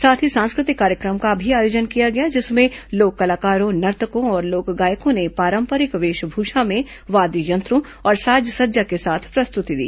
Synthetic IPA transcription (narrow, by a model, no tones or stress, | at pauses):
saːt̪ʰisãːnskɾɪt̪ɪkːaːɾjəkɾəmkabʱiaːjoːd͡ʒənkijaɡɐjad͡ʒɪsmẽloːkːɐlaːkaːɾõnɐɾt̪əkõɔːɾloːkɡaːjəkõnepaːɾə̃mpəɾɪkʋeːʃbʱuːʃamẽ | ʋaːd̪jujɐ̃nt̪ɾõ | ɔːɾsaːd͡ʒsɐdd͡ʒakesaːt̪ʰpɾɐst̪ʊt̪id̪ḭː